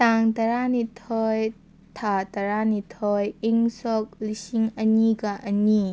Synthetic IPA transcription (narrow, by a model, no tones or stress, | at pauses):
taŋtɐɾanitʰɔj | tʰatɐɾanitʰɔjiŋsɔk̚lisiŋɐniɡaʔɐni